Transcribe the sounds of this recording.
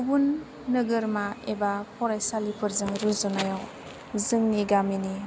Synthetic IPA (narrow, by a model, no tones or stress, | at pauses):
bunː | ɯɡɯɾmaebapʰɔɾajsalipʰɯɾzɯŋɾuzɯnajaw | zɯŋniɡamini